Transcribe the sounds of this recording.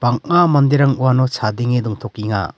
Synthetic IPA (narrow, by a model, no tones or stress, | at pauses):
b̥aŋamand̪iɾaŋuwanɔt͡ʃʰad̪iŋed̪ɔŋt̪ʰɔkiŋa̰